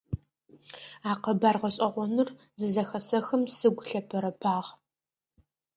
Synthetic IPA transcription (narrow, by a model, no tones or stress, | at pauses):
aːqɐbaːrʁɐɕʼɐʁʷɔnɨr | zɨzɐxɐsɐxɐmsɨɡʷɬɐpʰɐɾɐpʰaːʁ